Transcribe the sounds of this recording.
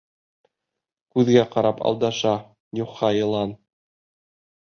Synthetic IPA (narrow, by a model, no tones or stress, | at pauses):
kʉðɡæqɑɾɑpɑ̰lˠd̪ɑʃɑ | juqːɑjɤ̆lˠɑn